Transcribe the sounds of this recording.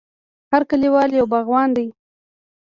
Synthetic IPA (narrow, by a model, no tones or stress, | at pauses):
haɾkəliwɑljawbaɣwɑnd̪aj